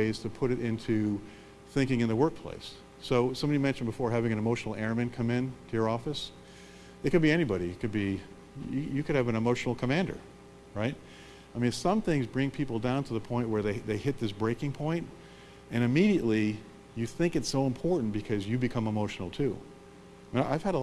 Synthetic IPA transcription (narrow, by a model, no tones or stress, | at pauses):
eɪz̥tʰɨpʰʊɾɨɾʔɪ̃ntʰʉ | θɪ̃ŋkɪ̃ŋɨ̃nðəwɜ˞k̚pʰl̥ḛɪsː | oʊsʌ̃mbɑɾimɛ̃nʃn̩bɨfɔɹɦævɪ̃ŋɨ̃ñɨmoʊʃn̩l̩ˠɛɹɨ̃mɨ̃nkʰʌ̃mɪ̃ntʰɨjə˞ɔfɨs | ðɨkɨd̚biɛñibɑɾiɨkʰɨd̚bi | ɨjɨkʰɨɾɨvɨ̃nɨmoʊʃn̩l̩ˠkʰɨmæ̃ndə̰˞ | ɹaɪt̚ | aɪmĩnsʌ̃mθɪ̃ŋzbɹɪ̃ŋpʰipl̩ˠdãʊ̃ntʰəðəpʰɔ̃ɪ̃nʔwə˞ðeɪðeɪhɪt̪̚ðɪsb̥ɹeɪkɪ̃ŋpʰɔ̃ɪ̃nt | ɨ̃ɾ̃ɨmiɾiɨʔˡli | jɨθɪ̃ŋkɨtsoʊə̃mpʰɔɹʔn̩b̥ɨkʰʌzjɨbɨkʰʌ̃məmoʊʃn̩l̩ˠtʰʉ̰ | m̃aɪv̥ɨɾə